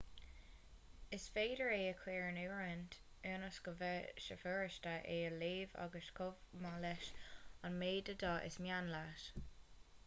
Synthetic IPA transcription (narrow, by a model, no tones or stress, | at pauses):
ɪsfeːdəɹeːəkʰwiːɹənuːɹənt | øːnəsɡ̥əvɛʃəføːɹəʃtəʔeːəleːva̰ɡəʃkʰʊvmalɛʃənmeːdədɔʔɪ̰smjanlaʃ